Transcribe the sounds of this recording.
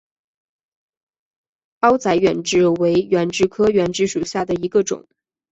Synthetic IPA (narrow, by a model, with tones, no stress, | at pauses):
pɑ˥ʊt͡sa˧˥ɪɥɛ˨˩nʈ͡ʂɻ̩˥˩we˧˥ɪɥɛ˧˥nʈ͡ʂɻ̩˥˩kʰɤ˥ɥɛ˧˥nʈ͡ʂɻ̩˥˩ʂu˨˩ɕja˥˩d̪ə˩i˧˥ɡə˧ʈ͡ʂʊ̰˨˩˦ŋ